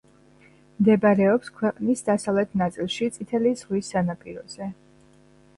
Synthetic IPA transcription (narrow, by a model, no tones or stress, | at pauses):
md̪ɛbaɾɛɔpskʰwɛqʼnisd̪asavlɛt̪ʰnat̪sʼilˠʃit̪sʼit̪ʰɛliz̥ʁwisːanapʼiɾɔz̥ɛ